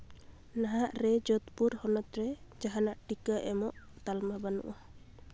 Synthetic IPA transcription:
naɦaʔɾɛd͡ʒɔt̪puɾhɔnɔt̪ɾɛd͡ʒaɦanaʔʈikaʔɛmɔʔ | t̪almabanṵʔɔ

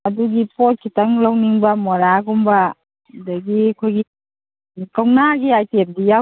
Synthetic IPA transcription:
aduɡipɔt̚kʰitaŋlawniŋbamɔɾaɡumba | daɡikʰojɡi | kawnaɡiajtep̚dija

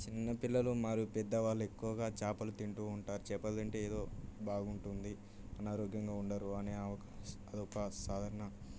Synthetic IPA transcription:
t͡ʃinːɐpilːɐlumaːɾupɛd̪ːɐʋaːɭːuekːuʋɐɡaːt͡ʃaːpɐlut̪iɳʈuːuɳʈaːɾut͡ʃɛːpːɐlɐɳʈeeːd̪o̞ːbaːɡuɳʈund̪i | ɐnaːɾoːɡjɐŋɡaːuɳɖɐɾuɐneːɐʋɐkɐd̪ɔkːɐsaːd̪ʱaːɾɐɳɐ

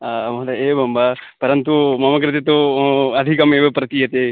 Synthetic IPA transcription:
amɐt̪aebʱɐmbapɐɾɐnt̪umɐmɐkɾɪt̪et̪oɐd̪ʱikɐmeʋepɾɐt̪ijɐt̪e

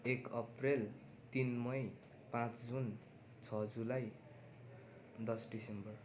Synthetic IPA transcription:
ekʌprel | t̪inmʌj | pãt͡sd͡zun | t͡sʰʌd͡zulaj | d̪ʌsɖisembʌr

